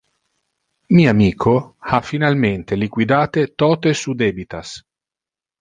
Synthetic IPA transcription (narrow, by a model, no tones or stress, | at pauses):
miːamiːkʰoafinalment̪elikwid̪aːt̪et̪ɔːt̪esud̪ɛːbit̪as